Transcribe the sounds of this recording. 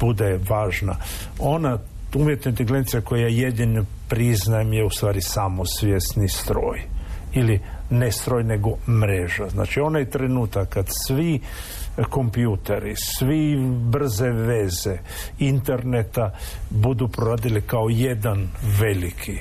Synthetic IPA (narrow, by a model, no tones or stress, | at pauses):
b̥ud̪eʋaːʒna̰ | o̞na | umjet̪noint̪eɡlenit̪sijeko̞jejajed̪ino | pɾiznajemjeust̪ʋaːɾisamosʋjesnist̪ɾo̞ːjili | nest̪ɾoːjne̞ɡomɾeʒazna̰ːt͡ʃio̞najt̪ɾenuːt̪akkːad̪sʋi | ko̞mpjut̪eɾisʋibr̩ze̞ʋeze̞ | int̪e̞ɾnet̪abud̪upɾoɾaːd̪ilikaoje̞d̪anʋe̞likʰi